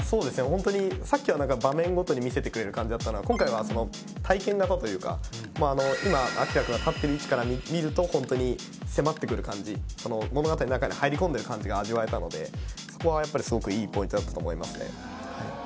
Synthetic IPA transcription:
so̞ːd̪e̞sɨnehõ̞nt̪o̞ɲ̟isakʲːiβanãŋkabamẽ̞ŋɡo̞t̪o̞ɲ̟imʲise̞t̪e̞kɯ̟ɾe̞ɾɯ̟kãɲ̟d͡ʑid̪at̪ːano̞akõ̞ŋkaiβ̞asono̞ | t̪ʰaikẽ̞ŋɡat̪at̪o̞jɯ̟ːka̰ | moːano̞imaa̰kʲiɾakɯ̟ɡat̪at̪ːe̞ɾɯ̟it͡ɕi̥kaɾamʲimʲiɾɯ̟t̪o̞hõ̞nt̪o̞ɲ̟i | se̞mat̪ːe̞kɯ̟ɾɯ̟kãɲd͡ʑiso̞no̞mo̞no̞ɡat̪aɲinãŋkaɲ̟ihaiɾʲikõ̞nd̪e̞ɾɯ̟kãɲ̟d͡ʑiɡaːʑiβae̞t̪ano̞d̪e̞̰so̞̥ko̞βajapːaɾʲisɨɡo̞kɯ̟iːpõ̞ĩt̪od̪at̪ːḁt̪oːmo̞ima̰sɨne̞̰ | hai

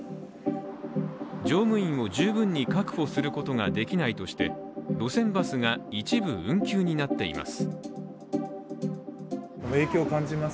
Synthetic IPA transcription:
d͡ʑo̞ːmɯ̟ĩmo̞ʑɨːbɯ̟̃ɲ̟ːikakɯ̟̥ɸo̞sɨɾɯ̟ko̞t̪o̞ŋad̪e̞kʲinait̪o̞ɕi̥t̪e̞d̪̥o̞sẽ̞mbasɨɡait͡ɕibɯ̟ɯ̟̃ŋkʲɨːɲ̟inat̪ːe̞̰ḭma̰sɨ̥ | omekʲiokãɲd͡ʑima

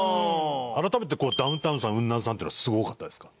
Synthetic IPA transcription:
aɾat̪ame̞t̪̬e̞koːd̪aɯ̃nt̪ãɯ̃sãɯ̟̃nːãsãnt̪einoasɨɡo̞kat̪ːad̪e̞sɨ̥kḁ

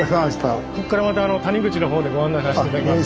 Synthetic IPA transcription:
saɕt̪ako̞kːaɾamat̪aːno̞t̪aɲ̟iɡɯ̟t͡ɕino̞ɦo̞ːd̪e̞ɡo̞ãnːajsaɕited̪akʲima

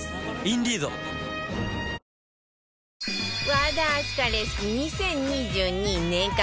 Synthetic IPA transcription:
ind̪izo̰ | βad̪askaɾesiɲisẽ̞ɲɲid͡ʑɨːɲ̟ĩnnẽŋka

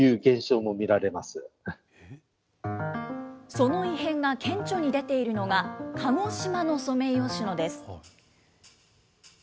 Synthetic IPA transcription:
jɯ̟ːɡẽ̞ɰ̃ɕo̞ːmo̞mʲiɾaɾe̞masɨ | so̞no̞iɦẽ̞ŋɡakʰẽ̞ɲ̟t͡ɕo̞ɲ̟id̪e̞t̪e̞iɾɯ̟no̞ɡakʰaŋo̞ɕimano̞so̞me̞io̞ɕino̞d̪esɨ̥

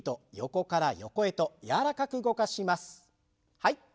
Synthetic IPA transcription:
t̪o̞jo̞ko̞kaɾajo̞̰ko̞e̞t̪o̞jaɾakakɯ̟ɡo̞kaɕimasɨ̥ | hai

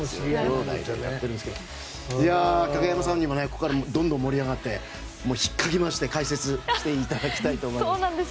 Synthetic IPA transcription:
joːd̪a̰ija̰t̪ːe̞ɾɯ̟nesked̪o | jakaɡajamasãɲ̟ːimaneko̞kːaɾamd̪õnd̪õmːo̞ɾʲiaɡat̪ːe̞ | mo̞ːçi̥kːaɡʲimaɕi̥t̪e̞kaise̞t͡sɨɕi̥t̪e̞it̪ad̪akʲi̥t̪ait̪oːmosoːnãnd̪e

